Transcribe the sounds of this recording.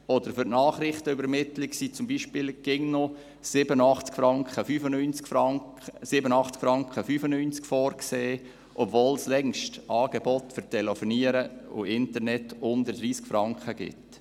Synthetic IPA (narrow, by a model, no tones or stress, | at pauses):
ɔdəɾfʏɾʔnɑːχɾɪχtəybəɾmɪtlɪksit͡sʊmbiːʃpɪlɡ̥ɪŋnɔ | sɪbənɑχt͡skfɾɑŋkχəfyːfənynt͡skfɑ | sɪbənɑχt͡skfɾɑŋkχəfyːfənynt͡skfɔːɾkseː | ʔɔbvoːlslɛŋʃtʔɑːɡ̥ebɔtfʏɾtʰɛlɛfɔniəɾəʊ̰ɪntəɾnɛtʊnd̪ədɾiːskfɾɑŋkχəɡ̥ɪ̰t